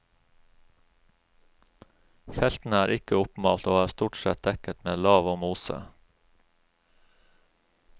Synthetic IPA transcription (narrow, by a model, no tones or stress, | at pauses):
fɛlt̪n̩əæːɾʔɪkəʊpmɑːlt̪oːæːst̪uːʈsɛt̪̚d̪ɛkət̪meːlɑːʋoːmuːsə̰